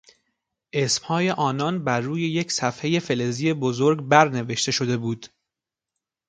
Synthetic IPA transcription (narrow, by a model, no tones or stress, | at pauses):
ʔesmhɒːje̞ʔɒːnɒnbæɾːuːje̞je̞cʰsæfhe̞je̞fe̞lezijebozoɾɡbæɾne̞veʃt̪e̞ʃo̞d̪e̞buːd̪̥